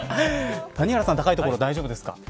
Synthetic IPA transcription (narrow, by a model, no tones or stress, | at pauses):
t̪aɲ̟iaɾasãnt̪akait̪okoɾod̪aiʑobɯd̪e̞sɨ̥ka̰